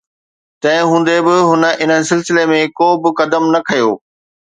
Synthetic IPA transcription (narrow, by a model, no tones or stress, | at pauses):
t̪ɐ̃ɦɪ̃ɦũːn̆d̪ebɪɦʊnə̆ʔɪn̤əɪ̆sɪlsɪlemẽkoːbɪkɐd̪əmnɐkʰɐjoː